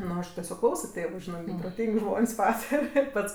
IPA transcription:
ˈnʊ ɐʃ tʲɛˈsʲoːk ˈklˠɐʊsoː ˈtʲeːʋʊ ˈʒʲɪnɜ ɡʲɪ proːˈtʲiːŋʲkʲ ˈʒmoːnʲsʲ ˈpɑːtɐrʲɛ ˈpɐts

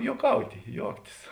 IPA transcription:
juɔˈkɐʊtʲɪ ˈjuɔktʲɪs

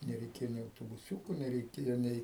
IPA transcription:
nʲɛrʲɛɪˈkʲeːjoː nʲɛɪ ɐʊtoːbʊˈsʲuːkʊ nʲɛrʲɛɪˈkʲeːjoː ˈnʲɛɪ

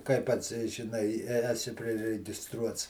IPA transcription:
kɐɪ ˈpɐts ʒʲɪˈnɐɪ ɪ ɛ ɛˈsʲɪ pʲrʲɪrʲɛɡʲɪˈstruɔts

